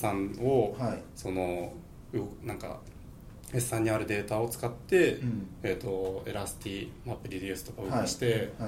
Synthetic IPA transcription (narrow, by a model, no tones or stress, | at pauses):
sãɴo̞so̞no̞ | ɯnãŋka̰ | hesːãɲ̟ːiaɾɯ̟d̪e̞ːt̪ao̞t͡sɨ̥kat̪ːe̞ː | t̪o̞e̞ɾasɨ̥t̪ʲimapːɯ̟ɾʲid̪ʲiɯsɨ̥t̪o̞kaɯkɯɕi̥t̪e̞